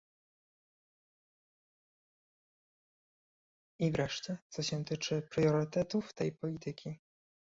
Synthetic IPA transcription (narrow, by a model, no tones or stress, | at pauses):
ivɾɛʂt͡ɕɛt̪sɔɕɛ̃t̪ɘt͡ʂɘpɾjɔɾɘt̪ɛt̪uft̪ɛjpɔlʲit̪ɘkʲi